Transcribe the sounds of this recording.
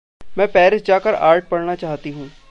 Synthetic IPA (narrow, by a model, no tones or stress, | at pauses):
mɛ̃ːpɛːɾɪsd͡ʒaːkəɾa̰ːɾʈ̚pɐɽnat͡ʃaːɦt̪iɦũː